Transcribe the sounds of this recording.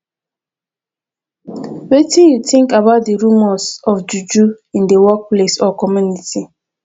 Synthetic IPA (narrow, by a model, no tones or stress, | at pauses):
wetĩnjutĩŋkabaʊt̚deɹumɔsɔfd͡ʒud͡ʒu | ĩndewɔk̚plesɔkɔmjuniti